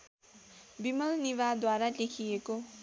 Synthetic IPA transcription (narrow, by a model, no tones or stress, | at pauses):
bimʌlniβad̪waɾalekʰieko